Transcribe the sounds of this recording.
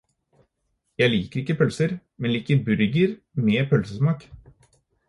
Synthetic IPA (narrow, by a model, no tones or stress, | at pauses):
jæɪliːkəɾɪkːəpʰœlsəɾmɛnliːkəɾbʉɾɡəɾ | meːpʰœlsəsmɑːk